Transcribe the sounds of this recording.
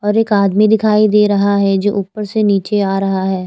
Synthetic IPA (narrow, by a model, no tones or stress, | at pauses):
ɔːɾeːkaːd̪mid̪ɪkʰaːid̪eːɾɐɦaɦɛd͡ʒoːʔuːpːəɾseniːt͡ʃeaːɾɐɦaɦɛː